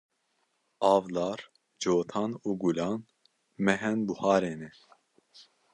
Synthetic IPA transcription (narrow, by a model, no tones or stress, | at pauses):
ɑːvlɑːɾ | d͡ʒoːt̪ʰɑːnuːɡulɑːn | mɛɦɛnbuhɑːɾeːnɛ